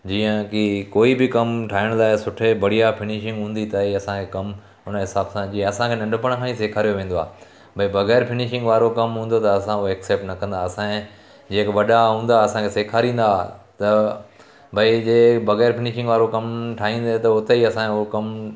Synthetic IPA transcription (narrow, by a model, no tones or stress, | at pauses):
d͡ʑiːə̃kɪkoːibɪkɐmʈʰaːɦɪɽ̃laːɪsʊʈʰebɐɽ̤ijafʰɪnɪʃɪ̃ŋɡɦũːn̆d̪it̪ɐiɐsãkʰekɐm | ʊnəɦɪsaːbsãd͡ʑiːə̃ɐsãkʰenɐ̃ɳɖʊp̬əɽ̃kʰãːĩseːkʰaːɾijoʋẽːn̆d̪oa̰ːɦ | bʱɐibɐɣɛːɾfɪnɪʃɪ̃ŋɡʋaːɾokɐmɦũːn̆d̪ot̪ɐɐsãʊɛːkseːp̚ʈnɐkɐ̃nd̪aɐsãẽ | d͡ʑeːkʋɐɗaɦũːnd̪aɐsãkʰeseːkʰaːɾĩːn̆d̪at̪ɐ | bʱɐid͡ʑeːbɐɣɛːɾfɪnɪʃɪ̃ŋɡʋaːɾokɐmʈʰaːɦĩːn̆d̪et̪ɐʊt̪eiɐsãkɐm